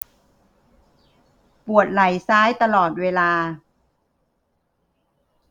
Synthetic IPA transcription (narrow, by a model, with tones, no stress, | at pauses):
pu˨˩ət̪̚la˩˦jsaː˦˥jt̪a˧lɔː˨˩t̪̚weː˧laː˧